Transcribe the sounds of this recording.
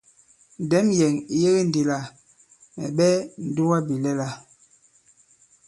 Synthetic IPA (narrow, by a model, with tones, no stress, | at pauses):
n˨dɛ˨˦mjɛ˨ŋi˦je˦ɣe˦n˨di˨la˦˨ | mɛ̰˨ɓɛ˦n̩˨du˦wa˦bi˨lɛ˦la˦˨